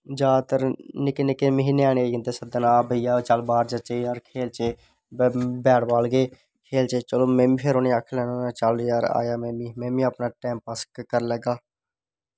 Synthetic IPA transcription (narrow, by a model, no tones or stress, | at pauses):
d͡ʒaːt̪əɾnɪkenɪkeːməɦiːneːaːneːeɪ̃nd̪eːsəd̪ənaːbəɪjaːt͡ʃəlbaːɾd͡ʒət͡ʃejaːɾkʰeːlt͡ʃeː | bɛːɽbaːlɡeː | kʰeːlt͡ʃeːt͡ʃəloːmɛ̃ːmĩːpʰeɾoːneːaːkʰlɛːnoːnaːt͡ʃalːjaːɾa̰ːjaːmɛ̃ːmiːmɛ̃ːmĩːəpnaːʈɛ̃ːmpəskkəɾlɛːɡaː